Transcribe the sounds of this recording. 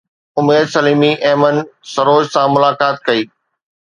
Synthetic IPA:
ʊmeːd̪sɐliːmiʔeːmənsɐɾoːd͡ʑsãmʊlaːkaːt̪̚kɐiː

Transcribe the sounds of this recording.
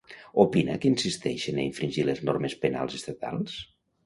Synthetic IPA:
opinə̰kinsist̪ɛ̰ʃenə̰iɱfɾiɲʲʒileznɔɾmespena̰lˠzest̪at̪a̰lˠs

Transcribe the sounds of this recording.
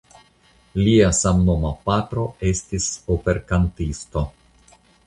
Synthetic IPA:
liasamnomapatɾo̞e̞stisope̞ɾkantisto̞

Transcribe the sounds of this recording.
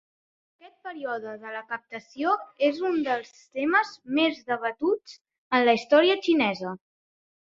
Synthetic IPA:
əkɛt̪̚pəɾiɔðəðələkəp̚t̪əsioezund̪əlˠst̪eməzmezðəβət̪ud͡z | ənləist̪ɔɾiət͡ʃinɛzə

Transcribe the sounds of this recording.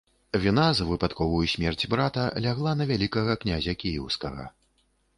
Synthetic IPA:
vʲinazvɨpat̪kɔvɐjusʲmʲɛrt͡sʲbɾat̪ɐlʲaɣlˠanɐvʲalʲikɐɣɐknʲazʲɐkʲijɛwskɐɣɐ̰

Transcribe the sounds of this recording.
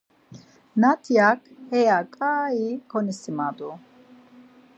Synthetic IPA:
nat̪ʰijakʰhɛjakʼaːikʰɔnisimad̪u

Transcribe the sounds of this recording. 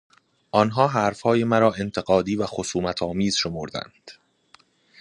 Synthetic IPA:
ʔɒnɦɒːɦæːɾfhɒːje̞mæɾɒːe̞nt̪ʰe̞ɣɒːd̪iːvæxo̞suːmæt̪ʰɒːmiːz̥ʃo̞moɾd̪æ̰nd̪̥

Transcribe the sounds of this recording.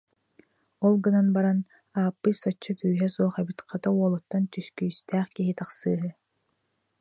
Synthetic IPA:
ɔlˠɡɯnanbaɾan | aːpːɯʃsɔt͡ʃːɔkyːɦɛsuɔχɛbit̪qʰat̪auɔlˠut̪ːant̪yskyːst̪æːχkiɦit̪aχsɯːɦɯ

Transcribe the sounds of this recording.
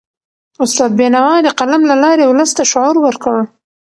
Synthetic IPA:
ʊst̪ɑd̪̚benawɑd̪əqalamlalɑɾewləst̪aʃʊʕuɾwəɾkəɽə

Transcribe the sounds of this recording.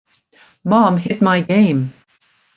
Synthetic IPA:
mɑ̃mɦɪt̚maɪɡẽɪ̃m

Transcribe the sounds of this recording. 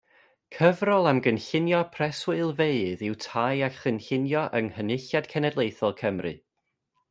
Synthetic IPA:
kʰəvrɔlˠamɡənɬɪnjɔpʰrɛswɨlˠveɨðɪwtʰajaχənɬɪnjɔʔəŋhənɪɬjad̥kʰɛnɛdlˠejθɔlˠkʰəmrɨ̰

